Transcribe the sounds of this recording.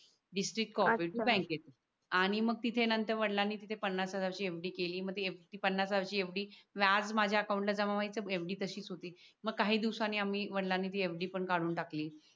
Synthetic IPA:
ɖisʈɾik̚ʈkɔpiʈubɛ̃ŋkjet̪e | aɽ̃iməɡ̚t̪it̪ʰenənt̪əɾʋəɽlanːiːt̪it̪ʰepənːasəd͡zaʋɕiːefɖiːkeliːməɡ̚t̪ieft̪iːpənːasaʋɕiːefɖiːʋad͡zmad͡ʑʱjaəkawũɳʈlad͡zaʋamait͡səefɖiːt̪əɕiːt͡sɦot̪iːməɡ̚kːaɦiːd̪iʋsanːiːamiːʋəɽlanːiːt̪iːefɖiːpəɳkaɽuːnʈakliː

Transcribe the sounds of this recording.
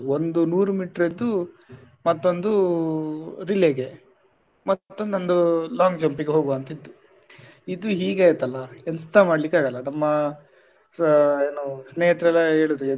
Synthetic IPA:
ond̪unuːɾumiːʈɾid̪ːu | mɐt̪ːo̞nd̪u | ɾileɡe | mɐt̪ːt̪ːond̪ond̪ulaːŋɡd͡ʒɐmpiɡeɦo̞ːɡuɐnt̪ɐid̪ːu | id̪uɦiːɡaːjt̪ːɐlːɐent̪t̪ːamaːɖlikːaːɡɐlːɐnɐmːɐ | eːnoːsneːɦɐt̪ɾɐlːɐɦe̞ːɭud̪ue

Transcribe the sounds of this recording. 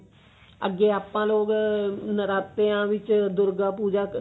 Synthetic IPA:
ə̰ɡeːaːpːãːloːɡnəɾaːt̪eːãːʋɪt͡ʃd̪ʊɾɡaːpuːd͡ʒaː

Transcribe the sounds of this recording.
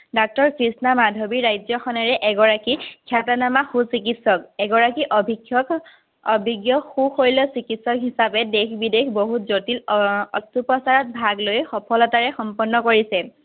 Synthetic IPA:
dɔk̚tɔɹkɹisnamadʱobiɹajzɔxɔnɛɹɛʔɛɡɔɹakikʰjatanamaxusik̬itsɔkɛɡɔɹakiʔɔbʱi | ɔbʱiɡjɔxuxojlɔsikitsɔkɦisabɛdekbidekʰboɦutzotilɔstupɔsaɹɔt̚bʱaɡlojxɔpʰɔlɔtaɹɛxɔmpɔnːɔkoɹisɛ

